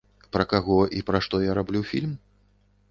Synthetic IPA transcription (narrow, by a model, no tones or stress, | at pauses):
pɾɐkaɣɔʔipɾɐʂt̪ɔjaɾablʲufʲilʲm